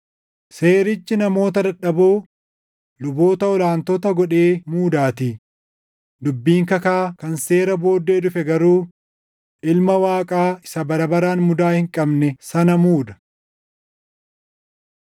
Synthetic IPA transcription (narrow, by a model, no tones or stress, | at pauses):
seːɾɪt͡ʃːɪnɐmo̞ːt̪̬ɐd̪ɐᶑɐboː | lʊbo̞ːt̪ɐɔlaːnt̪ɔt̪ɐɡɔᶑe̞ːmuːd̪aːt̪ɪ | d̪ʊbːiːŋkɐkaːkɐnseːɾɐbo̞ːd̪ːeːd̪ʊfɛɡɐɾuː | ʔɪlmɐwaːkʼaːɪsɐbɐɾɐbɐɾaːnmʊd̪aːhɪŋkʼɐbnɛsɐnɐmuːd̪ɐ̥